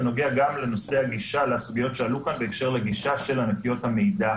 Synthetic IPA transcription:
no̞ɡiaɡamle̞no̞se̞haɡiʃaleasuɡijo̞tʃe̞alukanbe̞ːkʃe̞ʁleɡiʃaʃe̞lanakijo̞thame̞jda

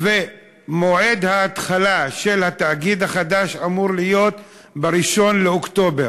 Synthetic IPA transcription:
ve | moʕe̞d̪haːt̪χalaʃe̞lhat̪aːɡid̪haχad̪aʃamuʁlijo̞t̪ | beɾiʃo̞nleokt̪o̞be̞ʁ

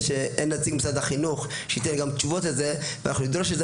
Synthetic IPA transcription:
ʃeʔenlat͡siɡmisad̪haχinuχ | ʃeit̪enɡamt͡ʃuvot̪azevanaχnunid̪ɾoʃ̬eze

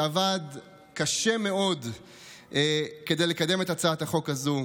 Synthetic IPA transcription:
avad | kaʃe̞me̞o̞d | ke̞d̪e̞jlekade̞metat͡saathaχo̞khazu

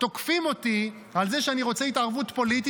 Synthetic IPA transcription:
t̪o̞kfimo̞ti | alze̞ʃeaniʁo̞t͡seitaʁvutpo̞liti

